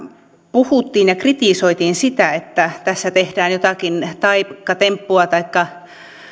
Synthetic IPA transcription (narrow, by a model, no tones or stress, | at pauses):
puhut̪ːiːnjɑkrit̪iˑsoit̪iːnsit̪æet̪ːæt̪æsːæt̪ehd̥æːnjot̪ɑkint̪ɑikːɑt̪empːuɑt̪ɑikːɑ